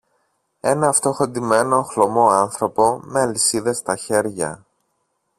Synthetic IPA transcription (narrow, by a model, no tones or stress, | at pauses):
e̞nɐːft̪o̞xo̞nd̪ime̞no̞xlo̞mo̞ɐnθɾo̞po̞me̞ɐlisiðest̪ɐçe̞ɾʝɐ̰